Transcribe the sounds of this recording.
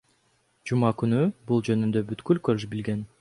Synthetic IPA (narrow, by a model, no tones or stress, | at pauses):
d͡ʒumɑkynybulˠd͡ʒø̞nynd̪ø̞byt̪kylkøɾʒbilɡe̞n